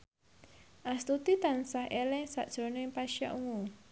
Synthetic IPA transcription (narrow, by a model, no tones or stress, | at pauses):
ʔast̪ut̪it̪ansahʔelɛsa̰ʔd̥ʒ̥ɾo̤noɪmpaʃa̰ʔuŋu